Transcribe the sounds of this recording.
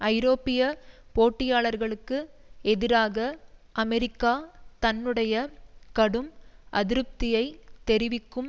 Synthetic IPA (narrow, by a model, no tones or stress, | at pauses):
ɐɪɾoːpɪjɐpoːʈːɪjaːɭɐɾɣɐɭɯkːɯɛðɪɾaːɣɐʔɐmɛɾɪkːaːt̪ɐnːɯɽɐjɐkɐɽɯmʔɐðɪɾɯp̚t̪ɪjɐɪt̪ɛɾɪʋɪkːɯm